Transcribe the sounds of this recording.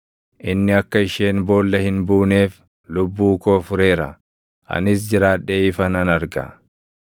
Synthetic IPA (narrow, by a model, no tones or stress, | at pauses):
ʔɪnːɪɐkːɐɪʃe̞ːnbo̞ːlːɐhɪnbuːne̞ːf | lʊbːuːkoːfʊɾe̞ːɾɐ̰ | ʔɐ̰nɪs̬d͡ʒɪɾaːᶑːeːɪfɐnɐnɐɾɡɐ̰